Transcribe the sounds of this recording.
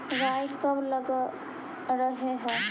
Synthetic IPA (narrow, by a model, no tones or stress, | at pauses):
ʋajkəbləɡə | ɾəɦeɦɛ